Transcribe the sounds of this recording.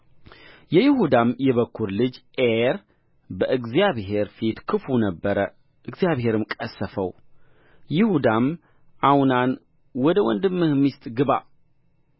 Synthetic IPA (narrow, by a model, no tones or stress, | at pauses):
jɛjɪhud̪amjɛβəkʰːuɾlɨd͡ʒʔeɾ | bəʔɨɡzijaβɦe̞ɾfit̪kʰɨfunəbːəɾə | ʔɨɡzjaβhe̞ɾɨmkʼəsːəfəw | jɪhud̪am | ʔawnan | wɔd̪əwɔnd̪ɨmːɨhmːist̪ʼɡɨβa̰